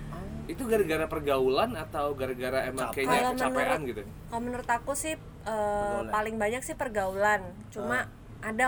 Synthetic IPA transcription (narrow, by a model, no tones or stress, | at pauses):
it̪uɡaɾaɡaɾapərɡaulanat̪awɡaɾaɡaɾaemakekalaməanpəranɡit̪u | kalomənʊrt̪akusɪh | ʔəpalɪŋbaɲak̚sɪhpərɡaulan | t͡ʃuma | ʔada